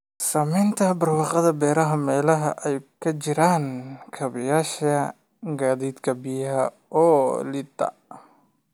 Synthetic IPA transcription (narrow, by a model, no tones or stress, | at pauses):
sɐmɛjnt̪ʰɐbɐrwɑːqɐðɐbɛːɾɐɦɐmɛːlɐɦɐʔɛjkʰɐt͡ʃɪɾaːnkʰɐβɐjaːʃɐ | ɡaːðiːd̪kʰɐbijɐɦɐ | ɔːlɪd̪ɐ̰